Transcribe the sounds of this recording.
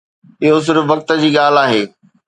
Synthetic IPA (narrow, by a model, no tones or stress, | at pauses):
ɪɦos̬ʊɾʋɐk̚t̪ə̆d͡ʑiːɠaːl̤aːɦeː